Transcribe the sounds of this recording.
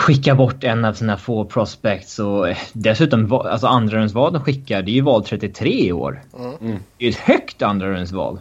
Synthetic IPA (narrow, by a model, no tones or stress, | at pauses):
ɧɪkːabɔʈːɛnːavsiːnafoːpʰɾɔspɛk̚t̪sɔd̪ɛsʉ̟ːt̪ɔmva̰lsɔand̪ɾaɾɵnsvɑːld̪ɔmɧɪkːaɖɛjɵvɑːlt̪ʰɾɛt̪ːɪt̪ʰɾeːɪo̰ːɾ | ɛjɵɛt̪hœkt̪and̪ɾaɾɵnsvɑ̰ːl